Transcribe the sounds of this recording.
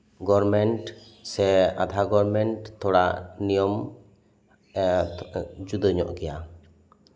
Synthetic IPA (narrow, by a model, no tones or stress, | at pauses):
ɡɔɾmɛɳʈsɛad̪ʱaɡɔɾmɛɳʈt̪ʰːɔɽaʔnijɔm | d͡ʒud̪əɲɔ̰ʔɡɛja